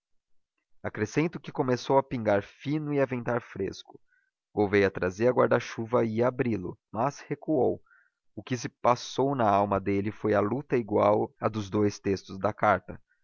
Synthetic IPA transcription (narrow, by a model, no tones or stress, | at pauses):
akɾesẽnt̪ʊkɪkomesowɐpĩŋɡaɾfĩnʊɪavẽnt̪aɾfɾḛskʊ̥ | ɡ̥owvejɐt̪ɾazeɾɐɡwaɾd̪aʃuvɐɪabɾilʊ̰mɐshekuow | ʊkɪs̬ɪpasownɐawmɐd̪elɪfojɐlut̪ɐiɡwawɐd̪ʊzd̪ojst̪est̪ʊzd̪ɐkaɾt̪ɐ